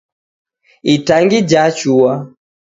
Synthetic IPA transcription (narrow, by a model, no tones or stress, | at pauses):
itaŋɡid͡ʒat͡ʃuwa